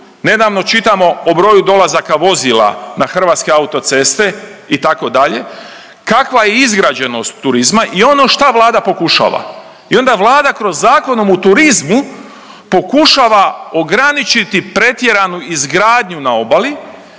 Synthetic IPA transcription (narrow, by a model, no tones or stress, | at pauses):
ne̞d̪aːʋno̞t͡ʃit̪amo̞obɾo̞ːjud̪o̞lazakaʋo̞zila̰naxr̩ʋaːt̪ske̞aut̪o̞t̪se̞st̪e̞it̪ako̞d̪aʎe̞ | kakʋaje̞izɡɾad͡ʑe̞no̞st̪ːuɾizmaʔio̞no̞ʃt̪aʋlˠaːd̪apo̞kuʃa̰ːʋa̰ | io̞nd̪aʋlˠaːd̪akɾo̞zːaːko̞nomut̪uɾizmu | po̞kuʃaːʋao̞ɡɾanit͡ʃit̪ipɾe̞t̪je̞ɾanuizɡɾaːd̪ɲunao̞bali